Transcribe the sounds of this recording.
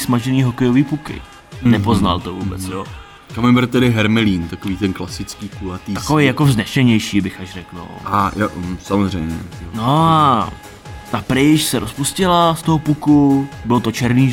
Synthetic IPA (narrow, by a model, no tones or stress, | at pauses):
smaʒɛniːɦokɛjoviːpukɪ̰ | nɛpo̞zna̰lt̪o̞vuːbɛt͡sjoː | kamɪmbɪlt̪ɛdɪɦɛɾmɛliːnt̪akoviːt̪ɛnklasɪt͡skiːkulat̪iakovɛjjakoznɛʃɛɲɛjʃiːbɪxaʃrɛkno̰ajo̰samozrɛjmɲɛ̰ono | t̪apɾɪʃsɛɾospuscɪlast̪oɦopukubɪlot̪o̞t͡ʃɛɾniː